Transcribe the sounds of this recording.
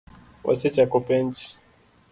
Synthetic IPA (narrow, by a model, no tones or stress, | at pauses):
wʔa̰sɛt͡ʃakɔpɛnt͡ʃi̥